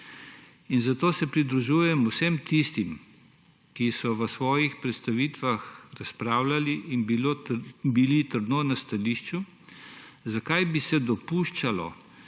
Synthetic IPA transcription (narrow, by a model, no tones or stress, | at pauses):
inzat̪oːsɛpɾid̪ɾuʒuːjɛmusemt̪ist̪im | kisɔʋəsʋɔːjixpɾɛt̪st̪aʋiːt̪ʋaxɾaspɾaːwlaliʔːnbilobilit̪əɾd̪nonast̪aliʃt͡ʃu | zakajbisɛd̪ɔpuːʃt͡ʃalɔ̰